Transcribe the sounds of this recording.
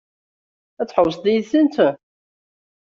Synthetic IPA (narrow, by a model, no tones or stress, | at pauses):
æt͡sːħəws̬ˤðijθənt̪